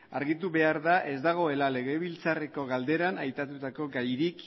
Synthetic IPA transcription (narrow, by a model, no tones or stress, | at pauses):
aɾɣit̪̬uβe̞aɾðaʔe̞zd̪aɣ̞o̞e̞lale̞ɣe̞βilt͡sareko̞ɣald̪e̞ɾanajp̪at̪ut̪ako̞ɡajɾik